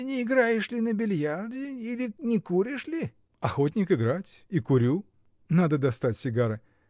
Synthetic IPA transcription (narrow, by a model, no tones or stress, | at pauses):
nʲɪɪɡɾajɪʂlʲɪnəbʲɪlʲjardʲɪilʲɪnʲɪkuɾʲɪʂlʲɪ | ɐxot̬ʲnʲɪkɨɡɾatʲikʊɾʲu | nad̪əd̪ɐst̪atʲsʲɪɡaɾɨ